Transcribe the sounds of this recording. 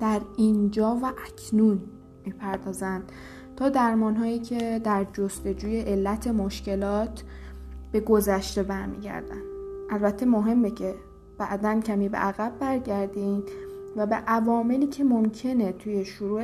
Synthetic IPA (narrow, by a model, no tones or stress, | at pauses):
d̪̥æɾind͡ʒɒːvæʔæcʰnun | miːpʰæɾd̪ɒːzæn | t̪ʰɒːd̪æɾmɒːnɦɒːjiːcʲʰe̞d̪æɾd͡ʒost̪e̞d͡ʒuːje̞ʔelːæt̪ʰe̞moʃce̞lɒːt̪ʰ | b̥e̞ɡo̞zæʃt̪e̞bæɾmḭːɟæ̰ɾd̪æ̰nʔælbæt̪ʰːe̞moɦe̞mːecʰe̞ | b̥æʔd̪æncʰæmiːbe̞̰ʔæɣæbːæɾɟæɾd̪invæbe̞̰ʔævɒːme̞liːcʰe̞mo̞mcʰe̞ne̞t̪ʰuje̞ʃoɾuː